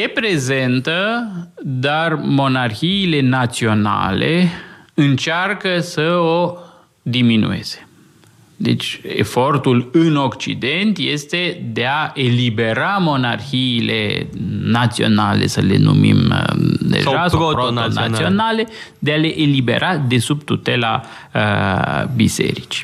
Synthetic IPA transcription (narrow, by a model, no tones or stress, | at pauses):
jepɾe̞ze̞nt̪ə | d̪armo̞narxiːle̞nat̪sio̞na̰lḛɨnt͡ʃarkəsəo | d̪iminṵe̞̰z̥e̥ | d̪e̞̰t͡ʃʲḛfo̞rt̪ulɨnokt͡ʃḭd̪e̞nt̪je̞st̪e̞d̪e̞aʔe̞libe̞ɾamo̞narxiːlḛnat̪sio̞̰nale̞̰səle̞̰nṵmḭmd̪ḛʒasoɾoia̰sionale̞ | d̪ealeʔelibe̞̰ɾʔad̪e̞subt̪ut̪e̞la̰ | əbise̞̰ɾit͡ʃi̥